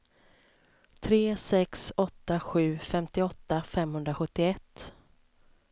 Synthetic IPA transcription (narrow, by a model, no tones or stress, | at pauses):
t̪ʰɾeːsɛksɔt̪ːaɧʉ̟ːfɛmt̪ɪɔt̪ːafɛmɦɵnd̪ɾaɧɵt̪ːɪɛt̪ː